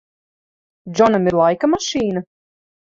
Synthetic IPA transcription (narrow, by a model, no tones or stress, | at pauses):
dd͡ʒɔnamiɾlˠajkamaʃiːna